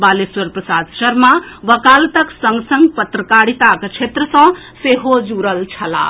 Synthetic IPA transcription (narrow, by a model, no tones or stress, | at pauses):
baleswəɾpɾəsad̪ʃəɾmaʋəkalt̪əksəŋɡsəŋɡpət̪ɾəkaɽit̪akt͡ʃʰet̪ɾəsʌ̃ | seɦod͡ʒuɾəlt͡ʃʰəla̰